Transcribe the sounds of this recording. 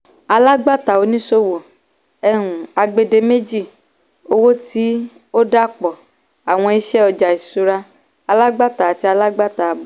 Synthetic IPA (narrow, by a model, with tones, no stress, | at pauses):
a˧la˦ɡ͡ba˦ta˨o˨˦nĩ˦so˦wo˨ | ɛ˦nũ˨a˧ɡ͡be˧de˧me˦d͡ʒi˦˨ | o˦wo˦ti˦ | o˦da˦k͡pɔ˨ | a˨w̃ɔ̃˧i˧ʃɛ˦ɔ˧d͡ʒa˨i˨su˧ɾa˧ | a˧la˦ɡ͡ba˦ta˨ti˦a˧la˦ɡ͡ba˦ta˨bɔ˨